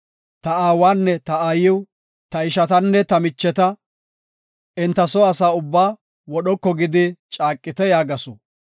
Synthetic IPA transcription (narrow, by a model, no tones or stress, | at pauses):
t̪ɐaːwaːnːɛt̪ɐaːjɪw | t̪ɐɪʃɐt̪ɐnːɛt̪ɐmɪt͡ʃːɛt̪ɐ | ʔɪnt̪ːɐsɔɐsaːʊbːaː | wɔɗɔkːɔɡɪd̪ɪt͡ʃʼaːkʼːɪt̪ɛjaːɡɐsɔ̰